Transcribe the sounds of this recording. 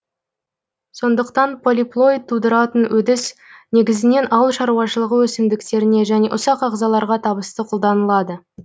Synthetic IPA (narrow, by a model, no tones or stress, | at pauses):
so̞nd̪əqt̪ɑnpʰo̞lʲiplˠo̞jd̪̚t̪ʰːud̪əɾɑt̪ənwɵd̪ɪsne̞ɡʲɪzɪne̞nʔɑwlˠʃɑɾuwɑʃəlˠəʁəwɵsɪmd̪ɪkt̪e̞ɾɪne̞ʒæne̞ʔʊsɑqɑʁzɑlˠɑɾʁɑt̪ʰɑbəst̪əqʰʊlˠd̪ɑnəlˠɑd̪ə